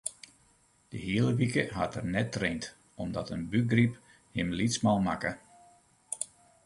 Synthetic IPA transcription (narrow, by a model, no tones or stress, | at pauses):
d̥əɦiələʋikəɦa̰tərnɛtːrent | ɔmdɔtənbyɡrip | hɪmlitsmalˠmakə